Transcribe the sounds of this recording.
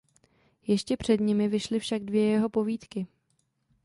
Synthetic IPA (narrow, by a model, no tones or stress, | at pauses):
jɛʃcɛpr̝̥ɛdɲɪmɪvɪʃlɪfʃaɡ̚dvjɛjɛɦo̞po̞viːt̪kɪ